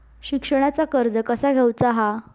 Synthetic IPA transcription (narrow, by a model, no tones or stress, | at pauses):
ɕikʂəɽ̃jat͡sakəɾd͡zəkəsaɡʱewt͡saɦa